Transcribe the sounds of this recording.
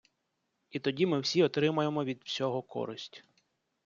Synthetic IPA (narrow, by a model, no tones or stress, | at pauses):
it̪ɔdʲimɪwsʲiɔt̪ɾɪmɐjemɔʋʲid̪wsʲɔɦɔkʰɔ̰ɾɪsʲtʲ